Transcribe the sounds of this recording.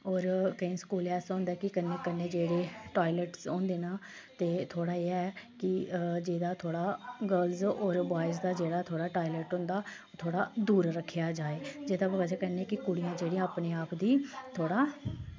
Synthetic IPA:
oːɾkəĩːskuːlɛːsõːnd̪aɛːkɪkənːeːkənːẽːd͡ʒeːɽeːʈaːilɛːʈsõːnd̪eːnaː | t̪eːt̪ʰoːɽaːeːɛːkɪd͡ʒeːd̪aːt̪ʰoːɽaːɡəlzoːɾbaːɪs̬d̪aːd͡ʒeːɽaːt̪ʰoːɽaːʈaːilɛːʈɦʊ̃nd̪aː | t̪ʰoːɽaːd̪uːɾɾəkʰːjaːd͡ʒaːeːd͡ʒeːd̪aːbəɡəd͡ʒaːkɛːneːkɪkʊɽijãːd͡ʒeːɽĩãaːpneːaːpd̪iːt̪ʰoːɽaː

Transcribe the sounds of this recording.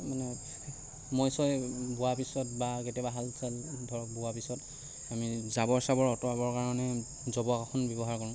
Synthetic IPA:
manɛ | mɔjsɔjbʊwapisɔt̚baketɛbaɦalsʰɛlbʱɔɹɔbʊwapisɔt | amizabɔɹsabɔɹɔtɔabɔɹkaɹɔnɛ | zɔbɔkakʰɔnbjɔbɔɦaɹkɔɹʊ̃

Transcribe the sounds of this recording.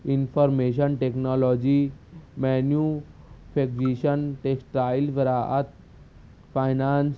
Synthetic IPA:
infɔɾmeɕ̬ənʈeknɔlɔd͡ʑimɛnjufʰek̚d͡ʑiɕənʈeksʈɾailbəɾaʔat̪̚ | fajnans

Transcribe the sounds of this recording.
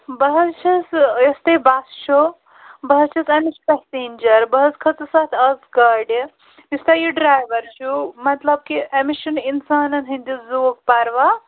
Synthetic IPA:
bɐɦɐst͡ʃʰɐsjɐst̪ebast͡ʃʰo | bɐɦɐst͡ʃʰɐsɐmit͡ʃpɐɦseːnʲd͡ʒɐɾbɐɦɐskʰɐt͡sɨsat̪ʰɐzkɐɖ | ist̪ajiɖɾaːjʋɐɾt͡ʃʰumɐt̪lɐb̚kiʔemiʃɐninsaːnɐnɦind̪iszuk̚pɐɾʋa

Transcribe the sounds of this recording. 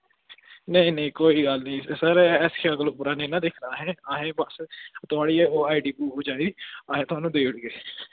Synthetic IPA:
nəĩːnĩːkoːiːɡəlnĩːsəɾɛskʰeəɡəloːpʊɾaːneːnãːd̪eːkʰɾaːɦɛːaːɦẽːbəst̪ʊaːɽiːeːoːaːiɖiːbuːɦoːd͡ʒaːeːd̪iːaːɦẽːt̪ʊɦaːnũːd̪eːʊɽɡeː

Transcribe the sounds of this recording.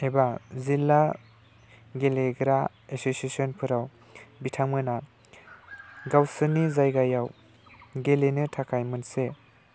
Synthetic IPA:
ejbazilːa | ɡeleɡɾa | esosiesɔnpʰɯɾaw | bitʰaŋmɯna | ɡawsɯnizajɡajaw | ɡelenɯtʰakʰajmɯnse

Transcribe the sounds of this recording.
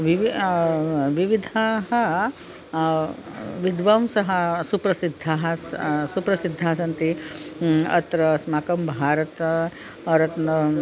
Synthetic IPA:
ʋiʋi | ʋiʋid̪ʱaːɦɐ | ʋid̪ʋɐmsɐɦɐsupɾɐsid̪ʱːaːɦɐsupɾɐsid̪ʱːaːsɐnt̪i | ɐ̰t̪ɾɐsmaːkɐmbʱaːɾɐt̪ | ɐɾɐt̪n

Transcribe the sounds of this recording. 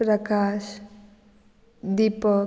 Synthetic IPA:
ɾəkaːʃ | d̪ipə

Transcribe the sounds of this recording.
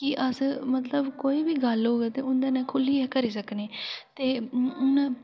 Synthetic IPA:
kɪʔəsmət̪ləbkoːiːbiːɡəlɦoːɡeːt̪eːʊnd̪eːnɛ̃ːkʰʊliːɛːkəɾiːsəkneːt̪eːʊnː

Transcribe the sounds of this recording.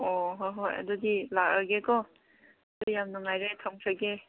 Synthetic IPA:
ɔɦojɦoja̰dudilakaɡekɔ | dujamnaŋajɾetʰaŋkʰaɡe

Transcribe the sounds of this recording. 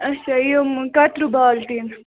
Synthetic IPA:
ɐt͡ʃʰaijomkɐʈɾubaːlt̪iːn

